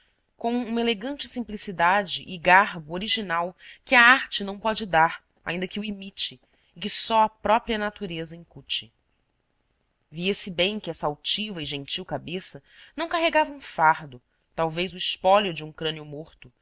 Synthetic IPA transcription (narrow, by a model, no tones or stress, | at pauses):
kõw̃ũmɐeleɡɐ̃nt͡ʃɪ̥sĩmplisid̪ad͡ʒɪʔːɡaɦbʊoɾiʒinawkɪɐaɾt͡ʃɪnɐ̃w̃pɔd͡ʒɪd̪aɾ | a̰ĩd̪ɐkɪuimit͡ʃɪː | kɪsɔɐpɾɔpɾiɐnat̪uɾezɐĩŋkut͡ʃɪ | viesɪbẽj̃kɪɛsɐawt͡ʃivɐɪʒẽnt͡ʃiwkabesɐnɐ̃w̃kaɦeɡavɐũfaɾd̪ʊ | t̪awvejzʊɪʃpɔlʊd͡ʒɪũŋkɾɐ̃niʊmoɾt̪ʊ